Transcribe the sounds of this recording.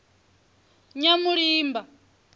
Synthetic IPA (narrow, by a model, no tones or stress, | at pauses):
ɲamuɺiːmba